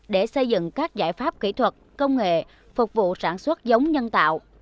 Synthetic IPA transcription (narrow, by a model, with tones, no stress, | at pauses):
ɗe˧˩sə˧jzɨ̰˧˨ŋkaː˦˥k̚zaː˧˩jfaː˦˥p̚kḭ˧˩t̪ʰwə˨˩t̚ | kə˧wŋ͡mŋḛ˧˨ | fʊ˨˩k͡p̚vṵ˧˨saː˧˩nswə˦˥t̚zə˨˦wŋ͡mɲə˧nt̪a̰ː˧˨w